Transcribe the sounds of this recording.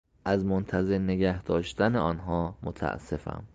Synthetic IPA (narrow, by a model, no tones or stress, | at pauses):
ʔæzmont̪ʰæze̞ɾne̞ɟæhd̪̥ɒːʃt̪æneɒːnɦɒːmot̪ʰæ̰æ̰sːe̞fæ̰m